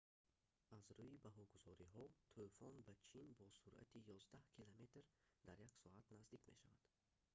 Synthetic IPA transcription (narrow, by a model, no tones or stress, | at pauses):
azɾuibaɦɔɡuzɔɾiɦɔt̪ʰufɔnbat͡ʃʰinbɔsuɾʔa̰t̪ʰijɔzd̪ahkʰilame̞t̪ɾd̪aɾjaksɔat̪nazd̪ikmeʃavad̪̥